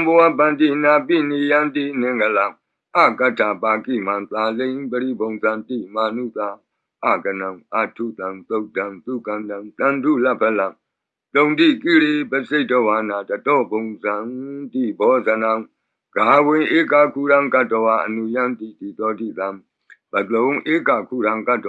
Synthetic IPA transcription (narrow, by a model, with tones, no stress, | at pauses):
ã˨mbə˨wa˦˨bã˨nd̪i˦˨na˨pi˦˨ni˨jã˦nd̪i˦˨n̥ɪ̃˨ŋɡə˨lã˨ | ʔa˦˨ka˦tʰa˨pa˨kḭ˦˨mã˨nt̪a˨lẽ˦bə˨ɾḭ˦˨bõ˨ʊ̃nzã˨nt̪ḭ˦˨ma˨nṵ˦˨t̪a˨ | ʔa̰˦˨ɡə˨nã˨ʔa̰˦˨tʰu˦˨t̪ã˨nt̪o˦˨tã˨nt̪u˦˨kã˨ndã˨t̪ã˨ndṵ˦˨lɛ˦˨pʰɛ˦˨lã˨ | t̪õ˨ʊ̃nd̪i˦˨ki˦˨ɾe˦˨bɛ˦˨se˦˨tɔ˦˨wa˨˦na˨tə˨tɔ˦˨bõ˨ʊ̃nzã˨nt̪i˦˨bɔ˨˦zə˨nã˦˨ | ɡ̥a˨wɪ̃˨ʔe˦ka˨kʰu˦˨ɾã˦ka˦˨tːɔ˨wa˨ʔə˨nu˨jã˦nt̪i˨t̪i˨t̪ɔ˦di˦˨t̪ã˨ | b̥ə˨t̪lõ˨˦ʔe˦ka˨kʰu˦˨ɾã˦ʊ̃ka˦˨tɔ˨